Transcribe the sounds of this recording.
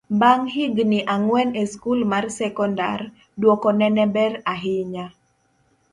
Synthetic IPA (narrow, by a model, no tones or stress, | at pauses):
baŋɦiɡniʔaŋwɛneskulmarsɛkɔnda̰r | dwɔkɔnɛnɛbɛraɦɪɲa